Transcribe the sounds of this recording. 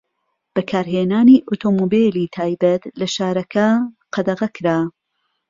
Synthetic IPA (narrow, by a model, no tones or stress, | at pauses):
b̥ɐkʰaːɾɦeːnaːniːʔot̪ʰoːmobeliːt̪ʰaːjbɐt̪lɐʃaːɾɐkʰɐ | qʰɐd̪ɐʁɐkʰɾaː